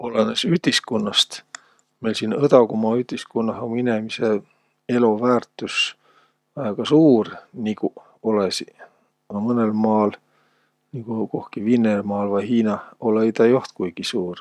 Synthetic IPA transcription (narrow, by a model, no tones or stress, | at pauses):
olenesyhd̪̥iskunːɑst̪ | me̞jlsiːnɤt̪ɑkumɑyhd̪̥iskunːɑhominemise | e̞lovæːrt̪ːˑus | ɑeɡ̥ɑsuːrniku | olesi | mɤnelmɑːl | nikuko̞hkivinːelmɑːlvɑjɦiːnɑoleit̪ɑjoht̪kujɡ̥isuːr